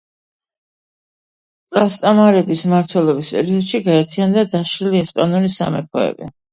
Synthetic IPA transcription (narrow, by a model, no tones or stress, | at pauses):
pʼlast̪ʼamaɾɛbismaɾt̪ʰwɛlˠɔbispʼɛ̰ɾiɔd̪ʃiɡaɛɾt̪ʰiand̪ad̪aʃɾiliɛspʼanɔnisa̰mɛpʰɔɛ̰bḭ